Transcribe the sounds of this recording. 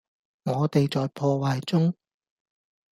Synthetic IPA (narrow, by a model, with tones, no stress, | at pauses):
ŋɔː˨˧t̪e˨jt͡sɔː˨jpʰɔː˧waː˨jt͡sʊ˥ŋ